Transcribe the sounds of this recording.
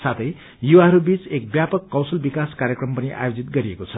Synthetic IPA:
sat̪ʰʌj | juwaɦʌɾubit͡sek̚bjapʌkːʌwsʌlbikaskaɾjekrʌmpʌniʔa̰jod͡zit̪̚ɡʌɾiekot͡sʰʌ

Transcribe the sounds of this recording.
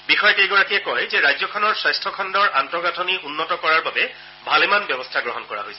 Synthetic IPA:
bixɔjɔteɡɔɹatijɛkɔjzɛɹajzɔkʰɔnɔɹsajstʰɔkʰɔndɔɹʔantɔɹɡatʰɔniʔunːɔtɔkɔɹaɹbabɛ | bʱalemanbɔbɔstʰaɡɹɔɦɔnkɔɹa̰ɦojsɛ

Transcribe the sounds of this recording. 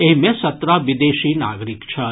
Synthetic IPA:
eɦmẽsɐt̪ɾaʋɪd̪eːʃiːna̰ːɡɾɪkt͡ʃʰɐ

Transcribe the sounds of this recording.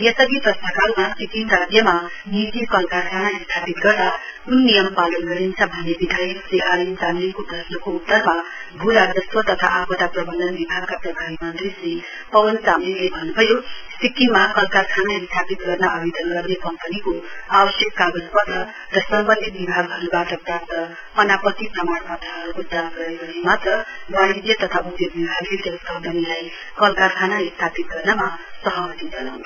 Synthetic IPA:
jʌsʌɡiprʌst̪ʌkalmasikinsad̪jʌma | nitikʌlkakʰanaist̪ʰapit̪̚ɡʌɾd̪aunːijʌmpalʌnɡʌɾint͡sʰʌbʱʌnːebid̪ʱajʌkseʔaɾinsamlikod̪ʱʌsnʌkout̪ːʌrma | bʱuɾad͡zʌsʰʌt̪ʌt̪ʰa̰ʔapʰot̪aprʌbʌnd̪ʌnbibʱaɡ̚kaprʌbʱabimʌnt̪risi | pʌwʌnsamilebʱʌnːubʱʌjosikimakʌlkarkʰanaist̪ʰapit̪ɡʌrnaʔʌbid̪ʱʌnɡʌrnekʌmpʌnikoabʌsjʌkːaɡʌspʌt̪ʌ | ɾʌsʌmbʌnd̪ʱit̪̚bibʱaɡɦʌɾubaʈʌpɾapt̪ʌ | pʌnapʌt̪ipʌmaɽpat̪aɦʌɾukod̪anɡʌɾekʌnimat̪ʌwand̪jʌt̪ʌt̪ʰaud̪jʌbibʱaɡlet̪ʌskʌmpʌnilaj | kʌlkarkʰanaist̪ʰapit̪̚ɡʌrnamasʌɦʌmʌt̪id͡zʌnaw

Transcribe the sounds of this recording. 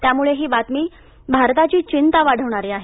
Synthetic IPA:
t̪jamuɭeɦiːbat̪miː | bʱaɾt̪at͡ɕiːt͡ɕint̪aʋaɽ̤əʋɳ̃aɾiːaɦe

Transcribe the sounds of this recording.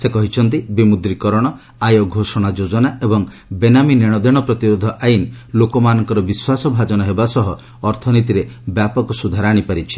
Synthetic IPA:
sekɔɦit͡ʃʰɔnt̪̬ibimud̪ɾikɔɾɔɽ̃ɔ | ajɔɡʱosɔɽ̃ad͡ʒod͡ʒɔnaʔebɔŋ | benamineɽ̃ɔd̪ʱeɽ̃ɔpɾɔt̪iɾod̪ʱɔʔajinlokɔmanɔŋkɔɾɔbiswasɔbʱad͡ʒɔnɔɦebasɔɦɔː | ɾt̪ʰɔnit̪̬iɾebjapɔkɔsud̪ʱaɾaɽ̃ipaɾit͡ʃʰi̥

